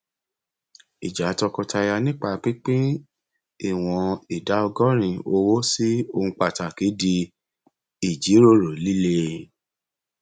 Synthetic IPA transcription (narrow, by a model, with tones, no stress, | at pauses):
i˨d͡ʒa˨˦tɔ˧kɔ˧tʰa˧ja˧nĩ˦k͡pa˧˨k͡pi˦k͡pe˦ | i˦˨w̃ɔ̃˧i˨da˨˦ɔ˧ɡɔ˦ɾ̃ĩ˧˨o˧wo˦si˦o˧ũ˧k͡pa˨ta˨ki˨˦di˧ | i˨d͡ʒi˨˦ɾo˦˨ɾo˨li˦le˦